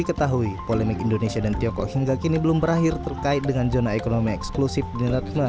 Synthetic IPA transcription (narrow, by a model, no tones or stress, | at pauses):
ikət̪aɦuipolɛmɪkindonesiadant̪iɔŋkɔ̰kjaŋɡaʔkinibəlʊmbəɾaɦɪrt̪ərkaɪt̪̚dəŋand͡ʒonaekonomiɛksklusɪfdinat̪ma